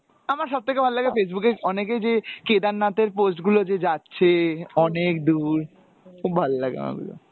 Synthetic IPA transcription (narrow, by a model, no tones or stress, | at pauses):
amaɾʃɔb̚t̪ʰekebʱalolaɡefes̬bukeɔnek̬ed͡ʑeked̪anːat̪eɾposʈɡulod͡ʑed͡ʑatːɕʰeɔnek̚d̪uɾ | kʰub̚bʱalolaɡea̰ma̰ɾɡṵlo̰